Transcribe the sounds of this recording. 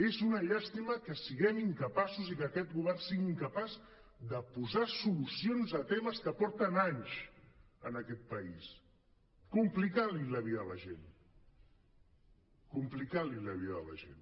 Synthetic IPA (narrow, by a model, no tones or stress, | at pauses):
ezunəʎast̪iməkəsiɣɛmiŋkəpasuzikəkɛt̪ɣuβɛrnsiɣiŋkəpaz | d̪əpuzasulusionzət̪ɛməskəpɔɾt̪ənaɲʃ | ənəkɛt̪̚pəis | kumplikaliləβ̞iðələʒḛn | kumplikaliləβiðə̰lə̰ʒḛn